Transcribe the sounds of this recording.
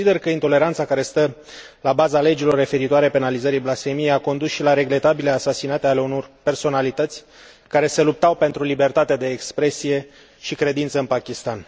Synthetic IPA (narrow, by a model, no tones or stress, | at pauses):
id̪e̞rkəint̪o̞le̞ɾant̪sakaɾe̞st̪ə | labazale̞d͡ʒilo̞rːe̞fe̞ɾit̪oaɾe̞pe̞nalizəɾiblasfe̞mijejako̞nd̪usʃilaɾe̞ɡle̞t̪abile̞asasinat̪eale̞uno̞rpe̞rso̞nalit̪ət̪sʲ | kaɾe̞se̞lup̚t̪awpe̞nt̪ɾulibe̞rt̪at̪ed̪e̞ːkspɾe̞sije̞ | ʃikɾe̞d̪int̪səɨnpakʲist̪an